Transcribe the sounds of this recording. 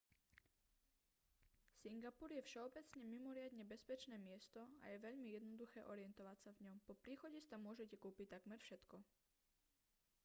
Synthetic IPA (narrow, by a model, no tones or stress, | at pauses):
siŋɡapuɾjɛfʃɛɔbɛt͡sɲɛmimɔɾɪad̪ɲɛbɛspɛt͡ʃnɛːmɪɛst̪ɔa̰jɛʋɛʎmijɛd̪nɔd̪uxɛːʔɔɾɪɛnt̪ɔʋacsavɲɔmpɔpɾiːxɔɟist̪amʊɔʒɛcɛkuːpict̪aɡmɛɾfʃɛt̪kɔ